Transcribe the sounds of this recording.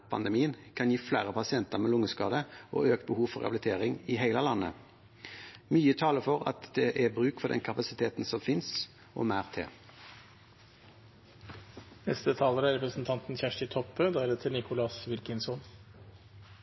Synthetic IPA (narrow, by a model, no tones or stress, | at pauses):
pʰɑ̰nd̪ɛmiːənkʰɑnjiːflæːʁəpɑsɪɛnt̪əʁmeːlʊŋːəskɑːd̪əʔo̰ːøːk̚t̪̚bəhuːʋfɔʁɛ̰ɑblɪt̪ʰeːʁɪŋɪɦæɪləlɑnːə̰ | myːət̪ʰɑːləfɔʁɑ̰t̪d̪ɛʔæbʁʉːkfɔd̪ɛ̰nkʰɑpɑsɪt̪ʰeːt̪n̩sɔmfɪns | ʔo̰ːmæːʁt̪ʰḛː | nɛst̪ət̪ʰɑːləɾæɾɛpɾəsn̩t̪ʰɑnt̪n̩çæʂʈɪt̪ʰɔpːøːd̪eɛlət̪ʰɪlnɪkʊlɑsʋɪlkɪŋsɔn